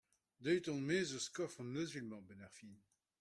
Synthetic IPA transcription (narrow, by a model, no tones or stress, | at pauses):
d̪œɥt̪ɔ̃nmeːzoskɔfɔ̃nmøzylmɑ̃bɛnɛʁfin